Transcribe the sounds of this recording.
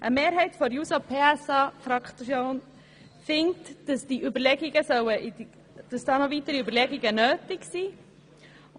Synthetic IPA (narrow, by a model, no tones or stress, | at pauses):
ʔəmeːɾɦɛɪtfɔɾjuːsopʰeːɛsɑfɾɑkt͡sjoːn | fɪŋtd̥əsd̥iʔybəɾlɛɡɪɡəsœwəʔi | d̥ɑsd̥ɑːnɔviːtəɾiybəɾlɛɡɪɡənøːtɪɡsiː